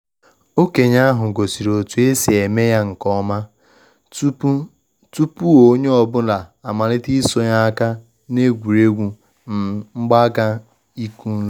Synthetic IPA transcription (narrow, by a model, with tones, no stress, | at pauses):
o˦ke˨ɲa˦ɦʊ˨ɡo˨si˨ɾo˨tu˨e˦se˨e˨me˦ja˦ŋ̩˨kɔ˦ma˦ | tu˦pu˦o˨˦ɲe˦ɔ˦˨bʊ˦na˨a˨ma˨ɾɪ˦ti˦so˨ɲa˦a˦ka˦ | ne˦ɡʷu˨ɾe˦ɡʷu˨ | n̩˨ŋ͡m̩˦ɡ͡ba˦ka˦ | i˦ku˦n̩˦